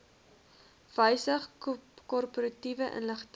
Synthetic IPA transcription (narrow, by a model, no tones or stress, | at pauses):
v̥əjsəχkɔrpoɾɐtivəʔə̰nləχt